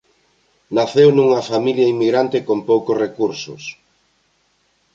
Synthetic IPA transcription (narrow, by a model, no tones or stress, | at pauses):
naθewnuŋɐfamiljɐimːiɣɾant̪ɪkompowkʊsrekuɾsʊ̰s